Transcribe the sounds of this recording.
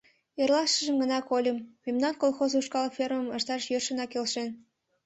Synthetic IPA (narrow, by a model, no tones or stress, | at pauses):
erlɑʃəʒə̆mɡənɑkolʲəmːemnɑnkolˠxozuʃkɑlfʲerməməʃt̪ɑʃjørʃə̆nɑkelʃen